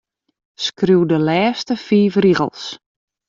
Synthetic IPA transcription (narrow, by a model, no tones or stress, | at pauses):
skruwdəlɛːstəfiːfriɣə̰lˠs